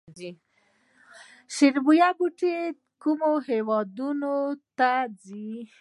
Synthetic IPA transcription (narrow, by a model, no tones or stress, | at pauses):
i | ʃɪɾbujaɡuʈe | kumohewɑd̪unot̪ad͡zi